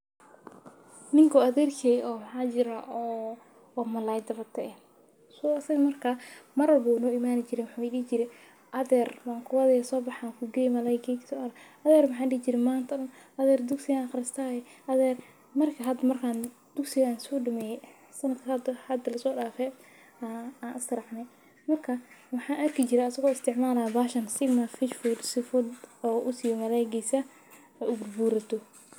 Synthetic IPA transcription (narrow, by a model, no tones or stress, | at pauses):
nɪŋkʰɔɐðɛːrkʰɛːjʔɔːmɐħaːd͡ʒɪɾaʔɔː | mɐlaːjd̪ɐβɐt̪ʰːɐɛ | sɔːɐsɐɣɐmɐrkʰaːmɐɾɐlbuːnɔːimaːnɪt͡ʃɪɾɛwʊħaːɛɗiːt͡ʃɪɾɛ | ʔɐðɛrwaːŋkʰʊwɐðɛjasɔːbɑħaːkʰʊɡɛjmɐlaːɡɛːksɔɐɾɐ | ɐðɛːrmɐħaːɗiːhɪt͡ʃɪɾɛmaːnt̪ʰɐɗʊnɐðɛːrd̪ʊksɪɣaxɾɪst̪ʰaːjɛhɐðɛr | mɐrkʰɐɦɐd̪ɐmɐrkʰaːn | d̪̥ʊksɪɣaːnsɔːɖɐmɛːjɛ | sɐnɐd̪kʰɐhɐd̪hɐd̪ɐlɐsɔːɖaːfɛ | aːnʔɪst̪ɐɾɑħnɛ | mɐrkʰɐwɑħɑːnʔɐrkʰɪt͡ʃɪɾɛɐsɐɣɔːɪst̪ʰɪʕmaːlaːbaːʃɐnsɪɡmɐfɪʃfʊd̪sɪfʊd̪ɔːʔʊsɪjɔmɐlɛːjɡisɐ | ɛʔʊɡʊrbuːɾɐt̪ʰɔ